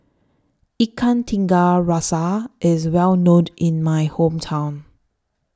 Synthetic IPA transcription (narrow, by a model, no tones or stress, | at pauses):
ikʰãntʰĩŋɡaɹasaʔɪzwɛlnõnɪ̃nmajhõmtʰãʊ̃n